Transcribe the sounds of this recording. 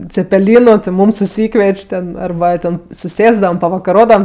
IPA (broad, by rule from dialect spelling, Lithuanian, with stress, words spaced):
t͡sʲɛpʲɛˈlʲiːnʊ tʲɪ ˈmuːm sʊˈsʲiːkʋʲiɛt͡ʃʲ tʲɛn ɐrˈbɐ ˈtʲɛn sʊˈsʲeːzdɐʋɐm pɐʋɐkɐˈroːdɐʋɐm